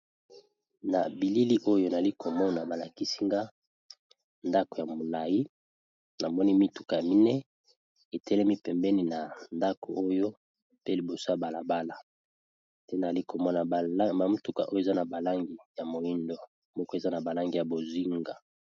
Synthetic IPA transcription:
na˨bi˨li˦li˦ʔo˦jo˦n˨li˦ko˨mɔ˦na˨ba˨la˨ki˦si˦ŋɡa˦ | nda˦ko˨ja˨mo˨la˨ji˦ | na˨mɔ˦ni˦mi˦tu˨ka˨ja˨mi˦nɛ˦ | e˨tɛ˦lɛ˦mi˦pɛ˨mbɛ˦ni˨na˨nda˦ko˨ʔo˦jo˦ | pe˦li˨bo˨so˦a˨ba˨la˨ba˦la˨ | te˦na˨li˦ko˨mɔ˦na˨˦ba˨mu˦tu˨ka̰˨ʔo˦jo˦e˨za˦na˨ba˨la˦ŋɡi˨ja˨mo˨i˦ndo˨ | mɔ˦kɔ˦e˨za˦na˨ba˨la˦ŋɡi˨ja˨bo˨zi˦ŋɡa˨

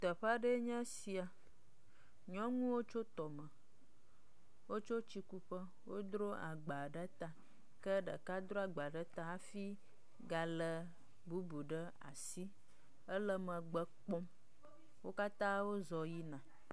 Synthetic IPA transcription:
t̪ə˨ɸa˦ɖə˦ɲɛ̃˦si˨a˨ | ɲɔ̃˦ŋũ˦wo˦t͡ʃo˦t̪ɔ˨mə̃˨ | wo˦t͡ʃo˦t͡ɕi˦ku˦ɸə˦ | wo˦d̪ɾo˦ʔa̰˨ɡ͡ba˨ɖə˦t̪a˨ | kə˦ɖə̰˨ka˦d̪ɾo˦a˨ɡ͡ba˨ɖə˦t̪a˨a˦fi˦ | ɡa˨lə˨ | bu˦bu˨ɖə˦ | a̰˨si˦ | ə˦lə˦mə̃˨ɡ͡bə˦k͡pɔ˦m | wo˦ka˦t̪ã˦wo˦zɔ˨ji˦nã˨

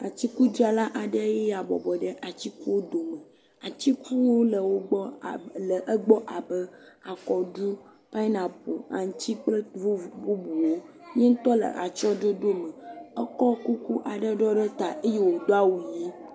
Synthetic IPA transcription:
a˨t͡ɕ̪i˦ku˦d͡ʒi˦a˨la˦ʔa˨ɖə˦je˦ja˨bɔ̰˨bɔ˨ɖə˦ʔa˨t͡ɕi˦ku˦wo˦d̪o˨mə˨ | a˨t͡ɕ̪i˦ku˦wo˦lə˨wo˦ɡ͡bɔ˦˨lə˨ʔə˦ɡ͡bɔ˦ʔa˨bə˦a˨kɔ˨ɖu˦ | pa˦i˦nã˨po˨a̰˨ŋ̩˨t̪i˦k͡plə˦vbu˦bu˨wo˦ | ɲe˦ŋ̩˦t̪ɔ˦lə̰˨ʔa˨t͡ʃɔ˦ɖo˦ɖo˦mə̃˨ə˦kɔ˦ku˦ku˦ʔa˨ɖə˦ɖɔ˦ɖə˦t̪a˨ʔe˦je˦˨wo˨d̪o˦a˦wu˨ji˦

